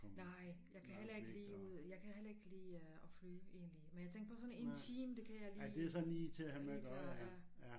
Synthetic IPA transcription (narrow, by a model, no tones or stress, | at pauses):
nɑ̈ɪ̰jɑ̈ɪkʰæɦelɐeɡ̥əɡliːuð̰ˠjɑɪkʰæɦelɐe̝ɡ̥liːɒ̽fly̰ːʔe̝ːnlimenjɑt͡sʰeŋɡ̥ɐ̥pʰɒ̽sɒ̽ne̝nt͡sʰiːmd̥e̝kʰæjɑ̈ɪliɪd̥e̝æɐsɒ̽nliːt͡sʰe̝æhæmeɡ̥jæjæ